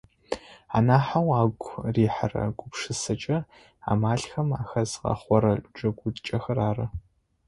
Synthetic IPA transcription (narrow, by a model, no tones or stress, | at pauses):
a̰ːnaːħawaːɡʷʼriːħarɐ̰ɡʷʼʊpʂɨsɐt͡ʃʼɐ | a̰ːmaːɬxɐma̰ːxɐzʁɐ̰χʷɔɾɐd͡ʒʼɐɡʷʊt͡ʃʼɐxɐraːrɐ